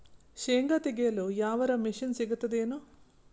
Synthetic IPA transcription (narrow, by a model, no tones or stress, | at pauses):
ʃeːŋɡɐt̪iɡeːlojaːʋɐɾɐmiʃinsiɡut̪ːɐd̪eːno